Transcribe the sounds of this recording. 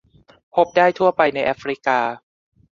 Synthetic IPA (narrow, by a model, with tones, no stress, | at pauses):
pʰo˦˥p̚daː˥˩jt̪ʰu˥˩ɐpa˧jna˧jʔa˦˥fɾi˦˥kaː˧